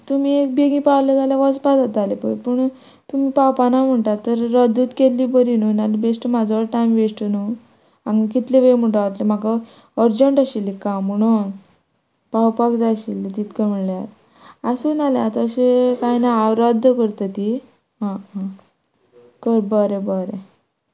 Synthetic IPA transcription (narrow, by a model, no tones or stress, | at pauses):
t̪umiek̚beɡĩpawlad͡zalaʋɔspad̪at̪alepə̰jpəɳ | t̪umiːpapanam̤əɳʈaɾt̪əɾːəd̪ʱut̪kelːibəɾinunalibesʈəmad͡zaʋəɾʈajmʋesʈənu | ãŋɡkit̪leʋem̤əɳʈaət̪lem̤aka | əɾd͡ʑəɳʈaɕilːikam̤əɽ̃un | pawpakd͡zaɕilːit̪it̪kəm̤iɭljaɾ | asunaleat̪əɕekajnaawɾəd̪ʱːkəɾt̪ət̪i | ɦã | kəɾbəɾebəɾe